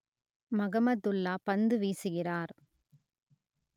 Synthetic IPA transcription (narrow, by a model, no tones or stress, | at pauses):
mɐɣɐmɐd̪ʊlːaːpɐnd̪ɯʋiːsɯɣɪraːɾ